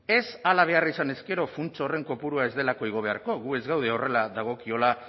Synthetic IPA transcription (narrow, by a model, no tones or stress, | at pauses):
e̞salaβ̞e̞arisane̞ske̞ɾo̞funt͡sore̞ŋko̞puɾuae̞zðe̞lako̞iɣ̞o̞βe̞aɾko̞ɣue̞zɣawðe̞o̞re̞laðaɣ̞o̞kio̞la